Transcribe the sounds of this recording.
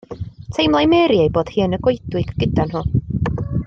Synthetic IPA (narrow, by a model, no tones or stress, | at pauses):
tʰejmlˠajmɛːɾiejboːd̥hɨːnəɡwojd̥wɨɡ̥ːədanhʊːn